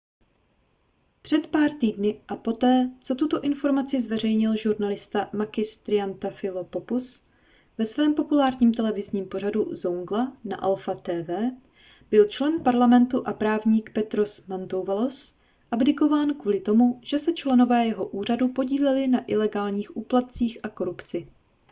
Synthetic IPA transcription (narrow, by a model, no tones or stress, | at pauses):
pr̝̥ɛt̪paːɾt̪iːdnɪʔapo̞t̪ɛːt͡so̞t̪ut̪o̞ʔɪnfo̞ɾmat͡sɪzvɛr̝ɛjɲɪlʒuɾnalɪst̪amaɡɪst̪ɾɪant̪afɪlopopus | vɛsvɛːmpo̞pulaːɾɲiːmt̪ɛlɛvɪzɲiːmpo̞raduzoŋɡlana̰ʔɛlfat̪ɛːvɛː | b̥ɪlt͡ʃlɛnpaɾlamɛnt̪uʔapɾaːvɲiːkpɛt̪ɾo̞smant̪o̞wvalo̞s | ʔabdɪko̞vaːnkvuːlɪt̪o̞muʒ̥ɛsɛt͡ʃlɛno̞vɛːjɛɦo̞ʔuːr̝adupo̞ɟiːlɛlɪnaʔɪlɛɡaːlɲiːxʔuːplat̪̚t͡siːxʔako̞ɾupt͡sɪ